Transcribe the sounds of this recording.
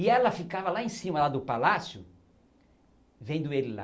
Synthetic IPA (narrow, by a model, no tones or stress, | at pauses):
ɪɛlɐfikavɐlaẽsĩmɐlad̪ʊpalasjʊ | vẽnd̪ʊelɪla̰